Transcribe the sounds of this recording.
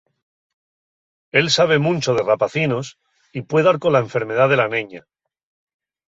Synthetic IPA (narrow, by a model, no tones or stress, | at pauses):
e̞lsaβ̞e̞mũnt͡ʃo̞ðe̞rapaθinos | ipwe̞ðaɾko̞lae̞ɱfe̞ɾme̞ð̞aðe̞laneɲa